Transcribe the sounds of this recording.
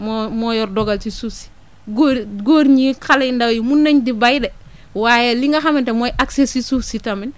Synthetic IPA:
momojɔɾdoɡaltisusi̥ | ɡoɾɡoɾɲikʰaleindawjimunːaɲdibajde | wajeliŋɡaɦamintemojʔaksesisufsitamin

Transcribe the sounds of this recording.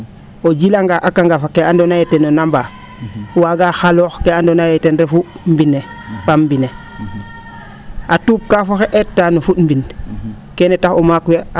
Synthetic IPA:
od͡ʒilaŋɡaʔakaŋɡafakeandonajetenonamba | waɡaxalɔːxkeandonajɛtenɾefumbine | pambine | atuːp̚kafoxeʔetːanofutmbin | kenetaxomakwe

